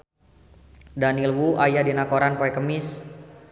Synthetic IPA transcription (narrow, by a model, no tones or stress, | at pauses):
danilwuʔajadinakoɾanpoɛkəmɪs